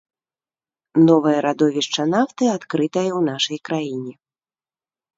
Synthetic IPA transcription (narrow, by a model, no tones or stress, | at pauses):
nɔvɐjɐɾad̪ɔvʲiʂt͡ʂːɐnaft̪ɨat̪kɾɨt̪ɐjɛwnaʂɐjkɾajinʲɛ